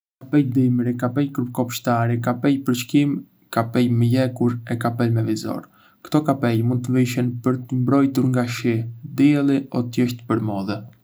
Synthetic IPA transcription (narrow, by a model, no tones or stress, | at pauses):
kapɛjd̪imɾikapɛjkɾup̚kɔpʃt̪aɾikapɛjpəɾt͡ʃkim | kapɛjməjɛkuɾɛkapɛlmɛvizɔ̰ɾ | kt̪ɔkapɛjmund̪̚t̪əviʃɛnpəɾt̪əmbɾɔjt̪uɾŋɡaʃid̪iɛlˠiɔt̪jɛʃt̪əpəɾmɔðɛ